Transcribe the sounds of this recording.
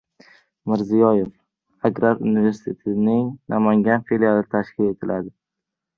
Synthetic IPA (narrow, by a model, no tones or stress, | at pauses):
mɪɾzijɒjef | aɡɾaɾunive̞ɾsɪ̥t̪ʰe̞t̪ʰɪnɪŋnʔamaŋɡʲanfelijalɪt̪ʰaʃkʲʰɪle̞t̪ʰɪlad̪ɪ